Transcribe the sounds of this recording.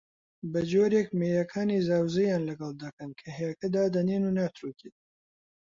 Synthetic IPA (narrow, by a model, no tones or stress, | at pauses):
bɐd͡ʒoːɾeːkmeːjɐkʰaːniːzaːwzɐjaːnlɐɡɐlˠd̪ɐkɐnkʰɐɦejɐkɐd̪aːd̪ɐneːnunaːt̪ɾut̪iːt̪̚